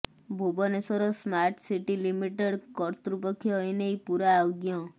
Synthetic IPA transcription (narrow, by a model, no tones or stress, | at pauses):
bʱubɔnesɔɾɔsmaɾʈsiʈilimiʈeɽkɔɾt̪ɾupɔkʰjɔjnejpuɾaoɡjɔ